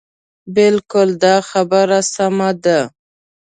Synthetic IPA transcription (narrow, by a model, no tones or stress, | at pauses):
bɪlkʊld̪ɑxabəɾasamad̪a